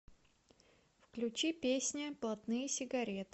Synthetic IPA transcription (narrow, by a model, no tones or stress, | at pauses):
fklʲʉt͡ɕipʲesʲnʲəplˠɐt̪nɨjəsʲɪɡɐɾʲet̪ɨ̥